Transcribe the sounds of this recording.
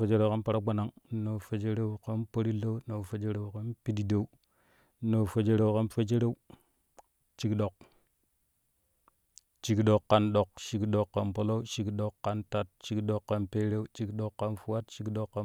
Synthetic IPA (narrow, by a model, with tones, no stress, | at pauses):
fe˦d͡ʒe˦ɾe˨ka˦npa˨ɾa˦ɡ͡ba˨na˦ŋ˦no˨fe˨d͡ʒe˦ɾe˦u˦ka˦npo˦ɾi˦lo˦u˦no˨fe˦d͡ʒe˦ɾe˨u˨ka˦npi˦di˦de˨u˦ | no˨fo˨d͡ʒe˦ɾe˨wka˦nfe˦d͡ʒe˦ɾe˦u˦ | t͡ʃi˦kɗo˨k̚ | t͡ʃi˦kɗo˨kːa˨nɗo˨kʃi˨kɗo˨kːa˨npo˦lo˦u˦ʃi˨kɗo˨kːa˦nta˨t̚t͡ʃi˦kɗo˨kːa˦npe˦ɾe˦u˦t͡ʃi˦kɗo˨kːa˦nfu˦wa˦tʃi˦kɗo˨kːa˦